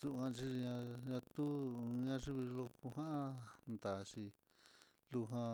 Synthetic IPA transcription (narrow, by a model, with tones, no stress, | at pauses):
su˦˧kã˧t͡ʃi˦ʐi˧ɲã˧ɲã˧t̪u˦ɲã˧ʐi˦βi˧lo˧ku˧ɦã˦ʔã˦nd̪a˨ʂi˧ | lu˧ɦã˧